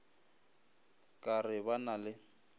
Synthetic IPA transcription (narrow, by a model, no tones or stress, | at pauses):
kʼarɪbanalɪ